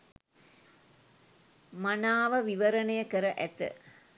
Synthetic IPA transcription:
manaːʋəʋiʋəɾənejəkəɾəʔæt̪ə̰

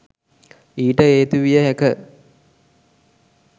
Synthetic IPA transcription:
iːʈəeːt̪uʋijəɦekə

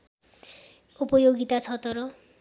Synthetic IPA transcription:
upʌjoɡit̪at͡sʰʌt̪ʌɾʌ

